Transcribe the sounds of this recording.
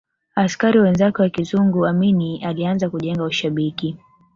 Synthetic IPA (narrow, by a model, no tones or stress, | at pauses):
askaɾiwɛnzakɛwakizuŋɡuaminialianzakuʄɛŋɡauʃaɓiki